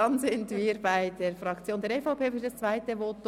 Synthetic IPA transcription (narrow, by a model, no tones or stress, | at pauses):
ɑnzɪntviːɾbaɪdeːɾfʁɑkt͡sjoːndɛːɾɛfaʊpeːfɪd̥ɑst͡sv̥aɪtəvoːt